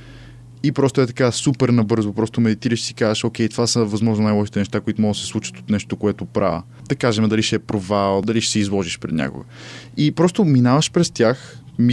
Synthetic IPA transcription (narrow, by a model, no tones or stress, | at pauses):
ipɾɔst̪ʊɛt̪ɐ̥kasupɛɾnɐbɤɾzopɾɔst̪omɛd̪it̪iɾəʃsikazəʃokʲɛjt̪ovasəvɐzmɔʒnonajlˠɔʃit̪ɛnɛʃt̪akoit̪omɔɡ̪sɛ̥slˠut͡ʃə̥t̪o̥t̪nɛʃt̪okoɛt̪opɾʔa̰və | d̪̥ɐkaʒɛmɛd̪ɐliʃɛɛpɾovalˠd̪ɐliʃɛ̥sɛizlˠɔʒiʃpɾɛd̪nʲʔa̰ko̰ɡə | ipɾɔst̪ominavɐʃpɾɛst̪ʲjaxmi